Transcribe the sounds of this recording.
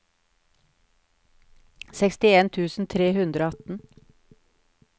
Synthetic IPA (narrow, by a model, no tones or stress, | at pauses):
sɛkst̪ɪeːnt̪ʰʉːsn̩t̪ʰɾeːhʉnd̪ɾoːɑt̪n̩